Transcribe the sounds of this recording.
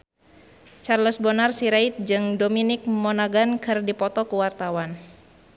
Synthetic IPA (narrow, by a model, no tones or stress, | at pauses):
t͡ʃarləsbɔnarsiɾait̪̚d͡ʒɨŋdominɪk̚mɔnaɡankɨrdipɔt̪ɔkuwart̪awan